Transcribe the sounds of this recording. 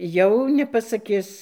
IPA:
jɛʊ nʲɛpɐsɐˈkʲɪs

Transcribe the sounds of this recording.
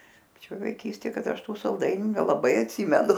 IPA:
pɐˈt͡ʃʲoːj ʋɐɪˈkʲiːsʲtʲeː ˈkɐt ˈɐʃ ˈtuː sɐlˠˈdɐɪnʲʊ nʲɛlˠɐˈbɐɪ ɐtʲˈsʲiːmʲɛnʊ

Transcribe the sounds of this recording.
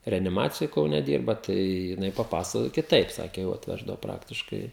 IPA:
rʲɛɐnʲɪˈmɑːt͡sʲɪjoːj kɐʊˈnʲɛ ˈdʲiːrbɐ tɐɪ jɪˈnɐɪ pɐˈpɑːsɐkoːjoː kʲɪˈtɐɪp ˈsɑːkʲeː jɛʊ ɐtʲˈʋʲæːʒdɐʋoː ˈprɑːktʲɪʃkɐɪ

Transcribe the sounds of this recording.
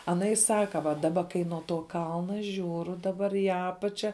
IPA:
ɐˈnɐ ɪ ˈsɑːkɐ ʋɐ dɐˈbɐ kɐɪ nuɔ toː ˈkɐlˠnɐ ˈʒʲuːrʊ dɐˈbɐr iː ˈɑːpɐt͡ʃʲɛ

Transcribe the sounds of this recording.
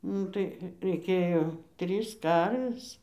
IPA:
ˈnʊ tɐɪ rʲɛɪˈkʲeːjoː ˈtʲrʲiːs ˈkɐrʲʋʲeːs

